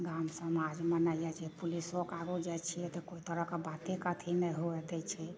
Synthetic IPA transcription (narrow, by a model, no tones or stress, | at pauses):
ɡamsəmad͡ʒmənaijad͡ʒepulisokaɡud͡ʒajt͡ʃʰijɛt̪ɔkoit̪əɾəkebat̪ekət̪ʰinɛɦoɛd̪ɛt͡ʃʰɛ